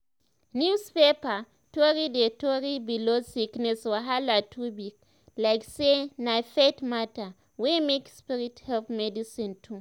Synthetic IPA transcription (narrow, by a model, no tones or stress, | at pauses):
njuspepa | tɔɹidetɔɹibilosiknɛswaɦalatʰubik | laɪksenafetmata | wemekspiɹithɛlpmɛdisĩntʰu